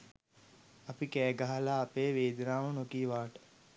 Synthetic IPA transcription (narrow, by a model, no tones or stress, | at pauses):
ɐpikɛːɡaɦalaːpeːʋeːd̪ɾaːmunokiːʋaːʈə̥